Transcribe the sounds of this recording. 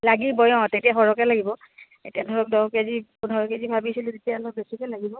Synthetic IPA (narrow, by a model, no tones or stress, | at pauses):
laɡibɔjɔ̃tetijaxɔɹɔkɛlaɡibɔ | ḛtijadʱɔɹɔk̚dɔkezipudʱɔɹɔkezibʱabisilutetijalɔk̚besikɔlaɡibɔ